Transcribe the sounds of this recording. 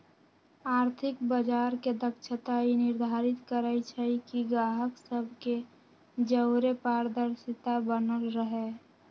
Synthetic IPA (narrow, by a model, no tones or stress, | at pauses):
aːɾt̪ʰɪkbəd͡ʒaːɾked̪əkʃʰət̪ainɪɾd̪ʱaːɾɪt̪kəɾəjt͡ʃʰəikiɡɾaːɦəksəbʱke | d͡ʒəʊɾepaːɾd̪əɾsɪt̪abənəlɾəɦe